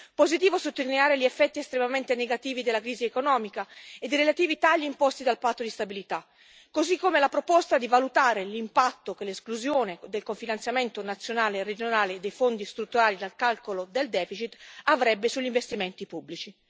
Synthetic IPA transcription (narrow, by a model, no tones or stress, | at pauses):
pozit̪iːvosot̪ːolineaːɾeʎiɛfːɛt̪ːiɛst̪ɾemament̪eneɡat̪iːvid̪elːakɾiːziekonɔːmikaed̪iɾelat̪iːvit̪aʎːimpɔst̪id̪alpat̪ːod̪ist̪abilit̪a | kːozikːomelapɾopɔst̪ad̪ivalut̪aːɾelimpat̪ːokeleskluzjoːned̪elkoɱfinant̪sjament̪onat̪sːjonaːlered͡ʒonaːleːd̪ːejfond̪ist̪ɾut̪ːuɾaːlid̪alkalkolod̪eld̪ɛːfit͡ʃit̪ːavɾɛbːesuʎːiɱvest̪iment̪ipubːlit͡ʃi